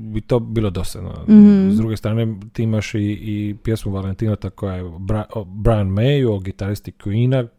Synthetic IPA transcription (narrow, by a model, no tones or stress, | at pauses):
bit̪o̞ːbiːlˠo̞d̪osa̰d̪no̰zd̪ɾuɡest̪ɾaːne̞t̪iːimaʃiːpjesmuʋalent̪inat̪akojajebabɾanmejuoɡit̪aɾist̪ikuiːna